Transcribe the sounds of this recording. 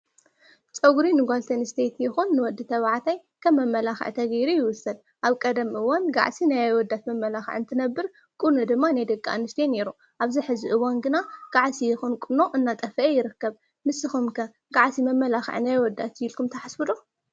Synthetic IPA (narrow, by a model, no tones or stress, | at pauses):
t͡sʼɐɡɾinɨɡʷalt̪ʰɐnst̪ʰet̪jɪxunːɨwɔd̪ːɨt̪ʰɐβaʕt̪ʰaj | kʰɐmːɐmːɐlaxʕt̪ʰɐɡɐjɾujɪwʊsːɐd̪̚ | ʔaβkʼɐd̪ɐmʔɨwanɡa̰ʕsinajawɔd̪ːat̪mɐmːɐlaxʕɨnt̪ʰɨnɐbːɨɾ | kʼɨnod̪ɨmːanajd̪ɐkʼːa̰nɨʃt̪ʰene̞ɾu | ʔaβziħɨzɨʔɨwanɡɨnaɡ̥aʕsijɪxunkʼuno̞ʔɨnːat̪ʼɐfɐʔejɪɾɨkːɐβ | mɨsɨxumkʰɐ | ɡaʕsimɐmːɐlaxʕ̰najwɔd̪ːa̰t̪jilkʰumt̪ʰɐħasfɨd̪o